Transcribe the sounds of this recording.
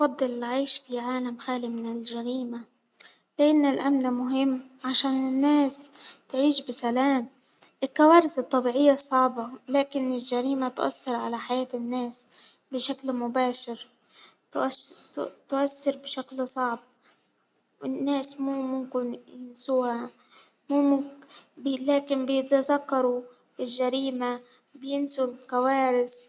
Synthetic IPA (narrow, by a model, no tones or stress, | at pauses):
fɑd̪ˤːɨlɪlʕaːʃfiʕaːlamxaːlimɪnɪlʒaɾiːma | lɪʔanːalʔamnamʊɦɪmːʕaʃaːnɪnːaːst̪ʕiːʃbɪsalaːm | ʔɪlkawaːɾɪzɨt̪ˤːɑbiːʕɪjːasˤɑʕbɑlaːkɪnɪlʒaɾiːmat̪ʔɑ̰sːɪɾʕa̰laħajaːt̪ɪnːaːs | bɪʃaklmʊbaːʃɪɾ | t̪ʔ | t̪ʊʔasːɑɾbɪʃaklsˤɑʕb̚ | wɪnːaːsmuːmʊmkɪnjɪnsuːha | muːmʊblaːkɪnbɪjɪt̪azakːɑɾˤu | ɪlʒaɾiːma | bɪjɪnsʊlkawaːɾɪs